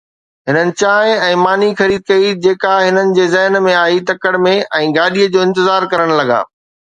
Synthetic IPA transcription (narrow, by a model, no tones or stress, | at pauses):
ɦɪnənɪ̆t͡ɕaːɪ̃ɛ̃ːmaːnixɐɾiːd̪̚kɐid͡ʑeːkaɦɪnənɪ̆d͡ʑeːzɛɦnmẽaːit̪ɐkəɽmẽʔɛ̃ːɡaːɗiəd͡ʑoːɪ̃nt̪ɪzaːɾkɐɾəɽ̃lɐɡa̰ː